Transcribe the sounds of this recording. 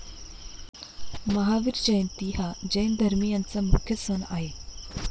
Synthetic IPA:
məɦaʋiɾd͡ʑəjnt̪iɦad͡ʑəjnd̪ʱəɾmiːjant͡samukʰjəsʋəna̰ɦe

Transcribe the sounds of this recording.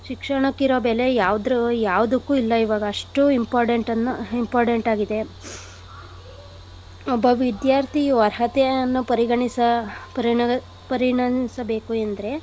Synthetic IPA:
ʃikʂɐɳɐkiɾobɛlejaːʋud̪ɾujaːʋud̪ɐkːuːilːɐiʋaːɡɐːʂʈuimpaːɾʈeɳʈɐnːuimpaːɾʈeɳʈaːɡid̪e̞ | ɔbɐʋid̪jaːɾt̪ʰiʋɐɾɦɐt̪ɛɐnːupɐɾiɡɐɳisɐpɾi | pɐɾiɳɐmsɐbe̞ːkuend̪ɐɾe̞

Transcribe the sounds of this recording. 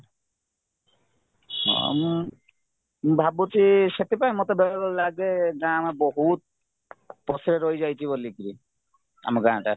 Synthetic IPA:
ɔ̰m | bʱabot̪iʃet̪epajmot̪ebɛlaɡɔllaɡeɡãamabɔɦut̪̚ | pɔsɾeɾojd͡ʒajt͡ʃʰibolːikɾi | a̰maɡaʈa

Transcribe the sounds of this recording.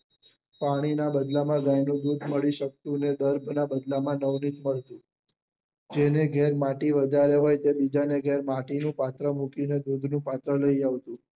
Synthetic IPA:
paɽ̃inabəd̪lamãɡajnũd̪ud̪ʱməɭiʃək̚t̪ũned̪əɾbʱnabəd̪lamãnəʋnit̪məɭt̪ũ | d͡ʒeneɡʱeɾmaʈiʋəd̪ʱaɾeɦojt̪ebid͡ʒaneɡʱeɾmaʈinũpat̪ɾəmukined̪ud̪ʱnũpat̪ɾələiaʋt̪ũ

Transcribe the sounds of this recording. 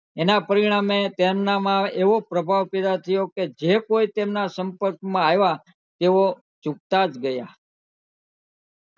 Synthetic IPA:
enapəɾiɽ̃amet̪emnamãeʋopɾəbʱaʋpid̪at̪ʰəjoked͡ʒekoit̪emnasəmpəɾkmãajʋa | t̪eʋo | t͡ʃuk̚t̪ad͡ʒɡəja

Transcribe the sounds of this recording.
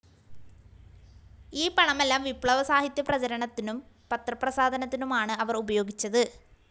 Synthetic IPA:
iːpɐɳɐmelːaːmʋipɭɐʋɐsaːɦit̪jɐprɐt͡ɕɐɾɐɳɐt̪ːinum | pɐt̪rɐprɐsaːd̪ʱɐnɐt̪ːinumaːɳɨɐʋɐrubɐjo̞ːɡit͡ɕːɐðɨ

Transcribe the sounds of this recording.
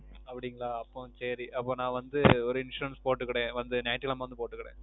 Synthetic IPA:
ɐpːɐɽɪŋɡɐɭaːɐpːõsɐɾiʔɐpːoːnãːʋɐnd̪ɯɔɾɯɪnʂuɾɐnspoːʈːɯkːɐɽẽːʋɐnd̪ɯnɐɪʈːkɐlɐmːʋɐnd̪ɯpoːʈːɯkːɐɽḛ̃ː

